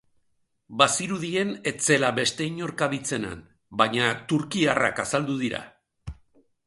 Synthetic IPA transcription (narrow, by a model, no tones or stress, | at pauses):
basiɾuðie̞ne̞t͡se̞laβe̞st̪e̞iɲo̞ɾkaβit͡se̞na̰n | baɲat̪uɾkiara̰kasald̪uð̞iɾa̰